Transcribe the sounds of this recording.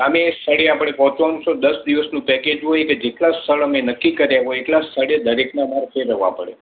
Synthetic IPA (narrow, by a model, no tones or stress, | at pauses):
əmest̪ʰəɽeapɽ̃epɔ̃t͡ʃonsod̪əsd̪iʋəsnũpɛked͡ʒɦojeked͡ʒeʈlast̪ʰəɭəmenəkːikəɾjaɦojeʈlast̪ʰəɽed̪ʱəɾeknamaɾfʰeɾəʋã̰pəɽḛ